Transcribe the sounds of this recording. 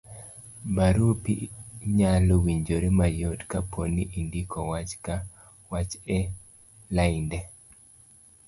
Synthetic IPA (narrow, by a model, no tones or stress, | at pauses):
baɾupḭɲalowiɲd͡ʒoɾemajotkapʰoniʔindikʰɔwat͡ʃka | wat͡ʃɛ | laindɛ